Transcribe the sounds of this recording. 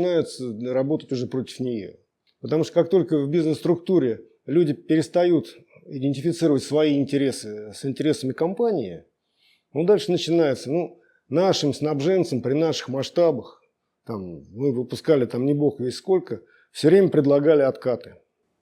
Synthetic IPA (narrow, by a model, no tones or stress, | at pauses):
najɪt̪sərɐbo̞t̪ətʲʊʐɛpɾo̞tʲɪ̥fnʲɪjo̰ | pət̪ɐmuʂt̪ə̥kak̚t̪o̞lʲkəvbʲiznɨst̪ɾʊk̚t̪uɾʲɪ | lʲudʲɪpʲɪɾʲɪst̪ɐjut̪ | ɪdʲɪnʲtʲɪfʲɪt̪sɨɾəvətʲsvɐiɪnʲtʲɪɾʲe̞sɨsɪnʲtʲɪɾʲe̞səmʲɪkɐmpanʲɪɪ | nod̪alʲʂɨnət͡ɕɪnajɪt̪sənu | naʂɨmsnabʐɛnt̪səmpɾʲɪnaʂɨ̥xmɐʂt̪abəx | t̪amːɨvəpʊskalʲɪt̪amnʲɪboxvʲesʲsko̞lʲkə | fsʲɵvɾʲemʲəpɾʲɪd̪lˠɐɡalʲɪɐt̪kat̪ɨ̥